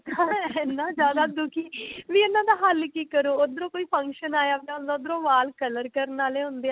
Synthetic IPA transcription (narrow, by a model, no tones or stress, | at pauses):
ɦɦãːɪnːãːzjaːd̪aːd̪ʊkʰiːʋĩːɪnːãːd̪aːɦəlkiːkəɾoːod̪ɾõːkoːiːpʰə̃ŋkʃənaːjaːbeʊnd̪aːʊd̪ɾõːʋaːlkələɾkəɾnaːleːɦʊ̃nd̪eːãː